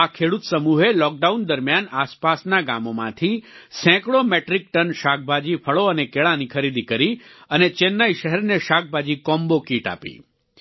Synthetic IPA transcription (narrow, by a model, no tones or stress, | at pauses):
akʰeɽut̪səmuɦelɔk̚ɖaund̪əɾmjanaspasnaɡa̰momã̰t̪ʰisɛ̃kɽomeʈɾik̚ʈənʃak̚ʰbʱad͡ʒipʰəɭoənekeɭãnikʰəɾid̪ikəɾiənet͡ʃenːaiʃəɦɛɾneʃak̚bʱad͡ʒikɔmbokiʈa̰pḭ